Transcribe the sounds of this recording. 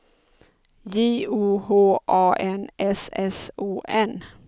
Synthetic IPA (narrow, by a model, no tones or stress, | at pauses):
jeːuːhoːʔɑːʔɛnʔɛsɛsuːʔɛn